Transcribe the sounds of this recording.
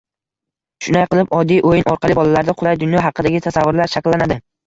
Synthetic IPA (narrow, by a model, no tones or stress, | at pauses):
ʃʊnajqɨlˠɪpɒd̪ːijʔojɪnʔɒɾqʰɑlˠɪbɒlalaɾd̪aqʰʊlˠajd̪ʊnjɒɦɑqɨd̪aɡʲɪt̪ʰasavːʊɾlaɾʃakʲlːanad̪ɪ